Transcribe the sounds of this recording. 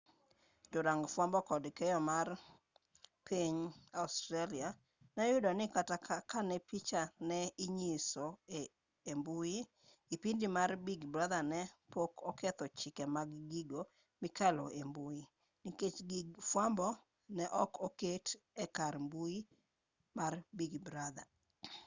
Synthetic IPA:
d͡ʒʊɾaŋɡfwambɔkɔdkejɔmar | pʰeɲaustɾalia | najʊdɔnɪkatakanɛpit͡ʃanɛɪɲisɔ | embuji | ɡipindimarbiɡbɾad̪anɛpokɔkɛt̪ɔt͡ʃɪkɛmaɡɡiɡo | mɪkalɔembuji | niket͡ʃɡɪɡfwambɔ | nɛʔɔkoketɛkaɾmbuji | marbiɡbɾad̪a̰

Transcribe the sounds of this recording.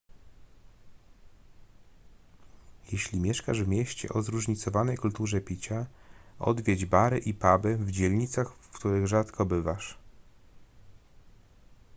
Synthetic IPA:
jɛɕlʲimʲjɛʂka̰ʐvmʲjɛɕt͡ɕɛ̰ʔɔzɾuʐɲit̪sɔvanɛjkult̪uʐɛpʲit͡ɕaɔ̰d̪vʲjɛd͡ʑbaɾɛʔipabɘvd͡ʑɛlʲɲit̪saxfkt̪uɾɘɣʐat̪kʰɔbɘvaʂ

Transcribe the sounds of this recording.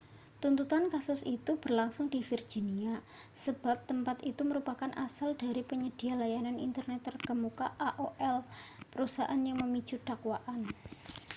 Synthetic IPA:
t̪unt̪ut̪ankasʊsit̪ub̥ərlaŋsʊŋdifird͡ʒinia | səb̥a̤p̚t̪əmpat̪it̪uməɾupakanʔasaldaɾipəɲəd̥i̤alajananḭnt̪ərnɛt̪ːərkəmukaʔaʔoʔɛlpəɾusaʔanjaŋməmit͡ʃud̥akwaʔan

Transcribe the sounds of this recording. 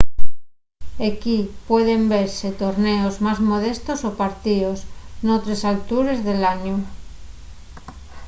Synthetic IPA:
ekipweð̞embeɾset̪oɾneozmazmoðest̪osopaɾt̪iosnot̪ɾesalt̪uɾezðelaɲo

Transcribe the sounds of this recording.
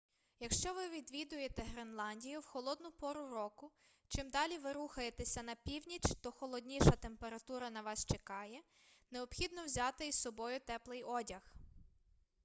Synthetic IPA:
jɐkʃt͡ʃɔʋɪʋʲid̪ʋʲid̪ʊjet̪ɛɦɾenlˠɑnʲdʲijʊwxɔlˠɔd̪nʊpɔɾʊɾɔkʊ | t͡ʃɪmd̪ɑlʲiʋɪɾuxɐjet̪esʲɐnɐpʲiwnʲit͡ʃt̪ɔxɔlˠɔd̪ʲnʲiʃɐt̪e̞mpe̞ɾɐt̪uɾɐnɐʋɑst͡ʃekɑjɛ | neɔpxʲid̪nɔwzʲɑt̪ɪisɔbɔjʊt̪ɛplˠɪjɔdʲɐx

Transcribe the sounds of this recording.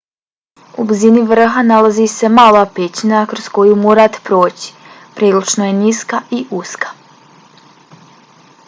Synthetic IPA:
ubziniʋr̩ɦanalazise̞maːlapet͡ɕinakɾosko̞jumoːɾat̪e̥pɾo̞ːt͡ɕi̥ | pɾiːlut͡ʃnojeniskaʔiʔuskḁ

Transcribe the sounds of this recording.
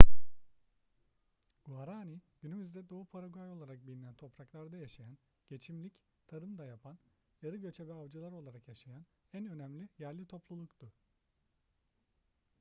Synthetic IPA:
ɡ̥uaɾaːniɟ̥ynymyzd̪ɛd̪o̞ːupʰaɾaɡuajo̞lˠaɾak̚bilʲinænt̪ʰo̞pɾaklˠaɾd̪ajaʃajan | ɟ̥e̞t͡ʃʰimlʲic | t̪ʰaɾɯmd̪ajapʰan | jaɾɯɟø̞t͡ʃʰɛvɛavd͡ʒɯlˠaɾo̞lˠaɾakjaʃajan | ænø̞næmlʲijæɾlʲit̪ʰo̞plˠulˠukt̪ʊ

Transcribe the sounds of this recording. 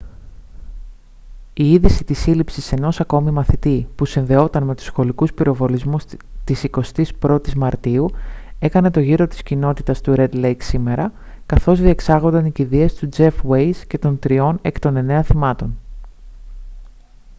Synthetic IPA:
iiðisit̪isilipsise̞no̞sɐko̞mimɐθit̪ipusinðe̞o̞t̪ɐnme̞t̪u̥sxo̞likuspiɾo̞vo̞lizmust̪isiko̞st̪ispɾo̞t̪izmɐɾt̪iue̞kɐne̞t̪o̞ʝiɾo̞t̪i̥scino̞t̪it̪ɐst̪uɾe̞d̪lejksime̞ɾɐ | kɐθo̞zðie̞ksɐɣo̞nd̪ɐniciðie̞st̪ud͡ze̞fwe̞jsce̞t̪o̞nt̪ɾio̞ne̞kt̪o̞ne̞ne̞ɐθimɐt̪o̞n

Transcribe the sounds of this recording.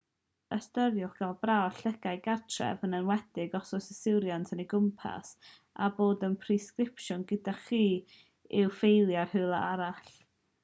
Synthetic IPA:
əstəɾjʊχɡ̥alˠbrawɬəɡajɡartʰrɛ̰vənənwɛdɪɡɔsʊsəsɪwɾjantʰəniɡʊmpʰa̰s | a̰boːdənpʰriskrɪpʃʊnɡədaχiː | ɪwfejlˠjarhɨlˠa̰aɾaɬ

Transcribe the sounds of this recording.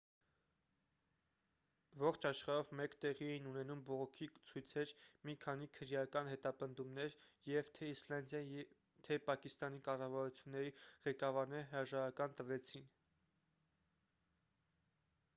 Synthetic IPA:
vɔχt͡ʃʰɑʃχɑɾɔvmɛkt̪ɛʁiɛinunɛnumbɔʁɔkʰit͡sʰujt͡sʰɛɾmikʰɑnikʰəɾjɑkɑnhɛt̪ɑpənd̪umnɛɾjɛvt̪ʰɛislɑnd̪jɑ | t̪ʰɛpɑkist̪ɑnikɑrɑvɑɾut͡sʰjunːɛɾiʁɛkɑvɑɾnɛɾɦəɾɑʒɑɾɑkɑnt̪əvɛt͡sʰin

